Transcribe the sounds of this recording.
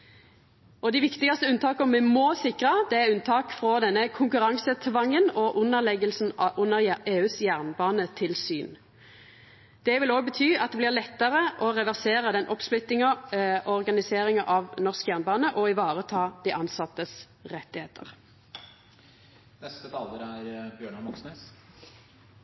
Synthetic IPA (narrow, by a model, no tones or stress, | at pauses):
ɔd̪ɪʋɪkt̪ɪɡɑst̪əʉnt̪ʰɑːkəɔmʋɛmoːsɪkʁəd̪ɛæʉnt̪ʰɑːkfʁɔːd̪ɛnːəkʰʊŋkʉʁɑŋsət̪ʰʋɑŋːənɔʔʉnːəʁlɛɡəlsn̩ɑʔʉnːəʁeːʉːsjæʁnbɑːnət̪ʰɪlsy̰ːn | d̪̥ɛʋɪloːɡ̚bət̪ʰyːɑt̪d̪ɛːblɪʁlɛt̪ːəʁəʔɔʁɛʋæʁseːʁəd̪ɛnʔɔpsplɪt̪ːɪŋɑʔɔʁɡɑnɪseːʁɪŋɑʔɑʋnɔʁskjæːʁnbɑːnəʔɔɪʋɑːʁət̪ʰɑːd̪̥iːʔɑnsɑt̪ːəs | ʁɛt̪ːɪheːt̪ʰə̰ʁ | nɛst̪ət̪ʰɑːləɾæɾbjøːɳɑʋɔksneːs